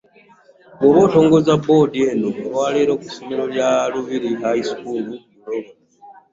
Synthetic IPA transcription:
ɡoβoːto̞ːŋɡo̞zabo̞die̞noolwaːleɾoku̥someloljaluβiɾiɦaisi̥kuːluiloβa

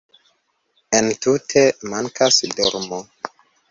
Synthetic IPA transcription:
entutʰemaŋkʰasdoɾmo

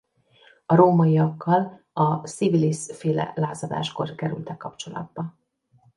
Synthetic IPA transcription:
ɒɾoːmɒiɒkʰːɒl | ɒsivilisfeːlɛ̰laːzɒd̪a̰ːʃko̞rkɛɾy̰lt̪ɛkːɒpt͡ʃo̞lɒ̰d̪̚bɒ

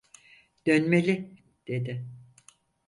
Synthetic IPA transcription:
d̪̥ønme̞lʲɪ | d̪̥e̞d̪ɪ

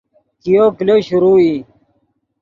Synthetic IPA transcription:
kijokleɕuɾuːi

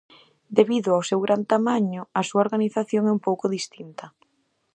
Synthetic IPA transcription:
d̪eβiðʊawsewɣɾʔant̪amaɲʊɐsuaoɾɣaniθaθjoŋɛumpowkʊðist̪int̪ɐ

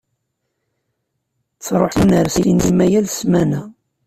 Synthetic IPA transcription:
t͡sːɾˤoħinəɾsiinimæjælsmænæ

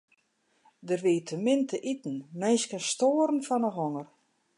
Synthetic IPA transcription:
dərʋiːtʰəmɪntʰəʔitn̩meːskənstoːəɾn̩fɔnəɦoŋər

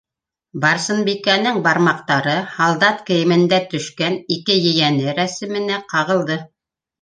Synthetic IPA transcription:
bɑɾsɤ̆nbikænɘŋbɑɾmɑqt̪ɑɾɤhɑlˠd̪ɑt̪kɘ̆jɘ̆mɘ̆nd̪æt̪ɵ̆ʃkænikɘjɘ̆jænɘɾæsɘ̆mɘ̆næqɑʁɤ̆lˠd̪ɤ

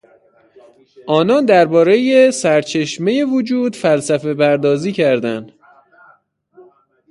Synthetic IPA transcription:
ʔɒːnɒːnd̪æɾbɒːɾe̞jesæɾt͡ʃʰe̞ʃme̞je̞vod͡ʒuːd̪fælsæfe̞pʰæɾd̪ɒːziːcʰæɾd̪ænd̪̥

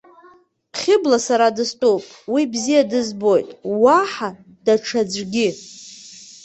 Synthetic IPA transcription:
χʲɪblasaɾadɨstʼowpʼwibzijadɨzbo̞jtʼwaħa | d̥aʈ͡ʂʰad͡zʷɡʲɪ

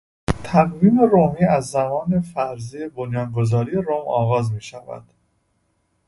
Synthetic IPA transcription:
t̪ʰæɣviːmeɾomiːæzːæmɒːne̞fæɾziːebonjɒːnɡozɒːɾijeɾomɒːɣɒːzmiːʃævæ̰d̪̥

